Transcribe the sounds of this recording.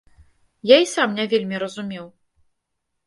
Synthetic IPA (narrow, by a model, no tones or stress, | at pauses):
jaisamnʲavʲelʲmʲiɾɐzumʲɛw